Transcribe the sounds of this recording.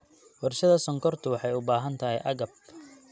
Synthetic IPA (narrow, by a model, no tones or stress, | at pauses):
wɑrʃɐðɐsɔŋkʰɔrt̪ʰʊwɑħɑjʊbaːɦɐnt̪ʰɐɦɛjʔɐɣɐb̚